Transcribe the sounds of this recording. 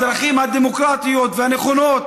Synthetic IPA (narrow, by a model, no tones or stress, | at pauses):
d̪ɾaχimhad̪emo̞kɾat̪ijo̞t̪vehaneχo̞no̞t̪